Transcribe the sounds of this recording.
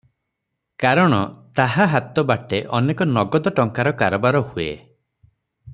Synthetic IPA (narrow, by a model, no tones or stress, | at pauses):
kaɾɔɽ̃ɔt̪aɦaɦat̪ɔbaʈeʔɔnekɔnɔɡɔd̪ɔʈɔŋkaɾɔkaɾɔbaɾɔhuḛ